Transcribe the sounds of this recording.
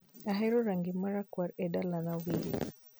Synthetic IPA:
aɦɛɾuɾaŋɡimaɾakwaɾɛɗalanawiɾḭ

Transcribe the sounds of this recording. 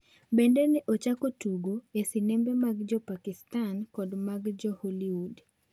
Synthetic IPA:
bendenɪʔot͡ʃakotuɡoesinembemaɡd͡ʒɔpakɪstankɔdmaɡd͡ʒɔholiwud

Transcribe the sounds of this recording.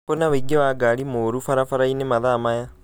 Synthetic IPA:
ponaweɡewaɡaɾimoːɾufaɾafaɾainemaðamaja

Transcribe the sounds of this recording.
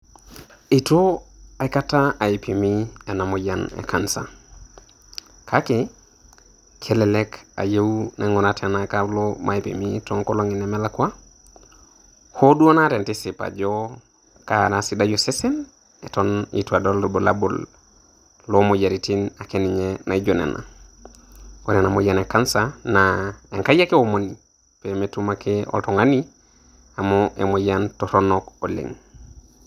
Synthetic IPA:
itoaikataaipʰimienamoɟanḛkʰansa | kʰake | kʰelɛleka̰jewnʔḛŋɔnatʰɛnakalomʔaipḭmitɔŋkoloŋinɛmɛlakwa | hoduonatɛntisipa̰d͡ʒɔ | kanasidajosesen | etonḭtuadolːobola̰bol | lomojaɾitinakeniɲenaiɟonḛnʔa̰ | koɾenamojanekansanaeŋkajakeomoni | pemetumakeo̰toŋani | amoʔḛmojantoɾonokolḛŋ

